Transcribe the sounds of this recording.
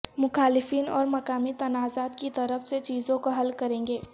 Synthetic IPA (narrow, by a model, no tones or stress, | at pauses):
mʊxaːlɪfiːnɔ̰ːɾmɐkaːmit̪ɐnaːzaːt̪kit̪ɐɾəfset͡ʃiːzõkoɦɐlkɐɾẽːŋɡeː